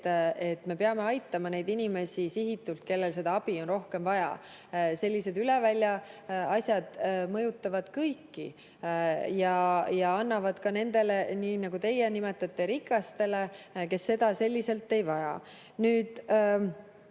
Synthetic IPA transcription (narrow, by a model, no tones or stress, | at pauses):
e̞t̪ːme̞pe̞ɑme̞ɑjt̪ːˑɑmɑne̞jd̪inime̞sʲisiɦit̪ːˑult̪̚ke̞lːe̞lse̞d̪̥ɑɑb̥io̞nro̞hke̞mvɑjɑ̰ | se̞lʲːise̞d̪yle̞vælʲjɑɑsʲjɑd̪̥mɤ̞jut̪ːˑɑvɑd̪̥kɤjkːi | jɑjɑɑnːɑvɑd̪̥kɑne̞nd̪e̞leniːnɑɡ̥ut̪e̞jenime̞t̪ːˑɑt̪ːe̞ɾikːˑɑst̪e̞leke̞sːe̞d̪̥ɑse̞lʲːise̞lt̪ːˑe̞jvɑjɑ̰ | nyːd̪̥